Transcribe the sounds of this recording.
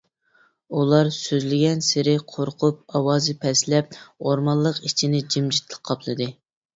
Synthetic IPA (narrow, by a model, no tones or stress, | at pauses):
ulˠɑɾsøzlɪɡʲɛnsɪɾɪqʰoɾqʰʊp̚ɑwɑːzɨpʰɛslɛp̚oɾmɑlˠːəqit͡ʃʰinɪd͡ʒimd͡ʒit̪lˠəq̚qʰːɑpʰlˠɨd̪ɨ